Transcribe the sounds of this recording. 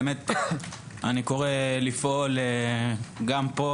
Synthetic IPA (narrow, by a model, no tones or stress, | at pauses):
met̪̚ | aniko̞ʁelifʔole | ɡampo